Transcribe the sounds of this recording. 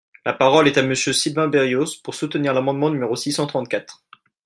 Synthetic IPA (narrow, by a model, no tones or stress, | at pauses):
lapaʁɔlɛt̪aməsjøsilvɛ̃beʁjospuʁsut̪niʁlamɑ̃d̪mɑ̃nymeʁosisɑ̃t̪χɑ̃t̪̚kʲat̪χ